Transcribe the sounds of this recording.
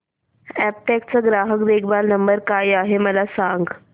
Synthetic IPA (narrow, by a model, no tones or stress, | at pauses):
ɛp̚ʈɛk̚t͡səɡɾaɦəkd̪ekʰbalnəmbəɾkajaɦeməlasaŋɡ